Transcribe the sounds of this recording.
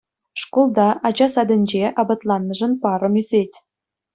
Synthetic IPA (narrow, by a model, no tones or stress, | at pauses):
ʂkolˠd̪ɑʔɑd͡ʑɑsɑd̪ɘ̆nʲd͡ʑeʔɑbɑt̪lˠɑnːɤ̆ʐɤ̆npɑɾɤ̆myzetʲ